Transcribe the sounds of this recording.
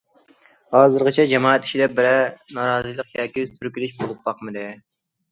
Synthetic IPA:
hɑːzɨɾʁət͡ʃʰɛd͡ʒɛmɑːɛt̪ʰi̥ʃid̪ɛbɪɾɛnɑːɾɑːzɨlˠəqjɑːkʲisyɾkʲilɪʃbolˠup̚bɑqmɨd̪ɪ

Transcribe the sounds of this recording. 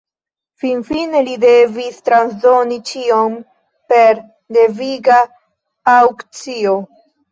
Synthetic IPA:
finfine̞lide̞vistɾansdo̞nit͡ʃiom | pe̞ɾ | de̞viɡaː | wkt͡sio

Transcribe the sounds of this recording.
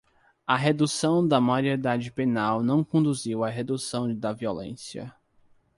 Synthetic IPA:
ɐɦed̪usɐ̃w̃d̪ɐmaɾied̪ad͡ʒɪpenawnɐ̃w̃kõnd̪uziwaɦed̪usɐ̃w̃d̪ɐviolḛ̃siɐ̰

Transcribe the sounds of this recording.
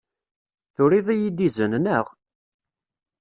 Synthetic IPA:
θʊɾiðˤijid̪izənnəʁ

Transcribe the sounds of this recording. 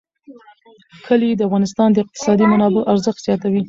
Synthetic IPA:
kʰəlid̪əafɣɑnɪs̬t̪ɑnd̪əɪq̚t̪ɪ̥sɑd̪imanɑbɪʔaɾzəxt̪z̥jɑt̪awi

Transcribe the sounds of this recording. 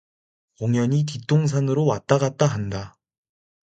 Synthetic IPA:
oŋjʌɲit̬it͈oŋs̬ʰanɯɾowat͈aɣat̚t͈aɦanda

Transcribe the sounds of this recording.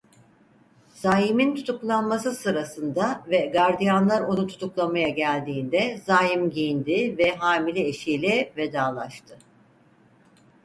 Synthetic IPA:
z̥aːjimint̪ʰut̪ʰuklˠanmasɯsɯɾasɯnd̪avɛɡaɾd̪ijanlˠaɾo̞nut̪ʰu̥t̪ʰuklˠamajaɟælʲd̪iːnd̪ɛzaːjimɟijind̪ɪvɛɦaːmilʲɛeʃijlʲɛve̞d̪aːlˠaʃt̪ʰɯ

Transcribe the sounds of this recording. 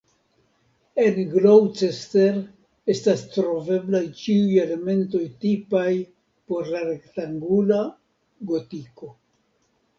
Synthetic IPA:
e̞nɡlowt͡ʃeste̞ɾ | e̞stastɾo̞ve̞blajt͡ʃiuje̞le̞me̞nto̞jtipaj | po̞ɾlaɾe̞ktaŋɡula | ɡo̞tiko̞

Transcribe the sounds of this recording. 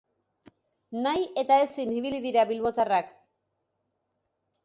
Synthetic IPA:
naje̞t̪ae̞siniβ̞iliðiɾaβilβo̞t̪arak

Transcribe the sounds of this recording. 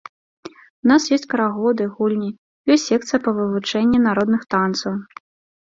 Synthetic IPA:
unasjɔsʲt͡sʲkɐɾaɣɔd̪ɨɣulʲnʲi | jɔsʲtʲːɛk̚t̪sɨjɐpɐvɨvut͡ʂɛnʲːinaɾɔd̪nɨxt̪ant̪sɐw

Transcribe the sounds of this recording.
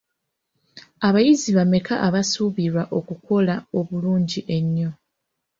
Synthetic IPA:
aβajiziβame̞kʰaʔːβasuβiɾwaʔo̞kuko̞lao̞βuluːɲɟiʔe̞ɲːo̞

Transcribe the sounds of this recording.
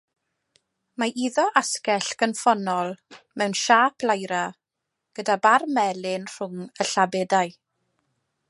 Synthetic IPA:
maʔiðɔʔaskɛɬɡ̥ənfɔnɔlˠ | mɛwnʃaːpʰlˠajɾa | ɡ̥ədabarmɛlˠɪnr̥ʊŋəɬabɛdaɨ

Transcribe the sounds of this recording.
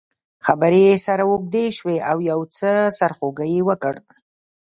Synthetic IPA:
xabəɾesaɾawok̚d̪eʃweawjawt͡səsaɾxoɡəjewəkəɽ

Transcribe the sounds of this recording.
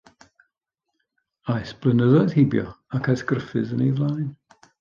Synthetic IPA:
ajsb̥lˠənəðɔɨð̥hɪbjɔ̰akʰasɡrəfɨ̰zənejvlˠajn

